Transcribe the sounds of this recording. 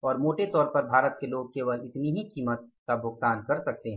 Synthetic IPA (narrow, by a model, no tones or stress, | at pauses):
ɔːɾmoːʈet̪ɔːɾpɐɾbʱaːɾət̪keloːɡ̚keʋəlɪt̪niɦikiːmət̪̚kabʱʊɡ̚t̪aːnkɐɾsɐk̚t̪eɦɛ̃